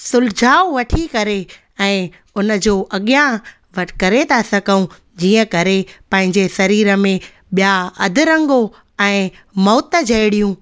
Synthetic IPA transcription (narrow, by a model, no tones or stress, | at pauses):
sʊld͡ʑʱaːʊʋɐʈʰikɐɾe | ɛ̃ː | ʊnə̆d͡ʑoːʔɐɠijã | ʋɐʈʰkɐɾet̪ʰasɐkəũ | d͡ʑiːə̃kɐɾepɐ̃ɦɪ̃ɲd͡ʑesɐɾiːɾəmẽ | ɓijaɐd̪ʱɪɾɐ̃ŋɡo | ɛ̃ː | mɔːt̪əd͡ʑʱɐjɽijũ